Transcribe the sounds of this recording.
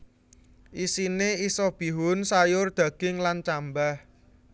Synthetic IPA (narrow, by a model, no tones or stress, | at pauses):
ʔisineisɔb̥i̤ɦʊnsajʊrd̪̥ä̤ɡ̥ɪŋlant͡ʃambah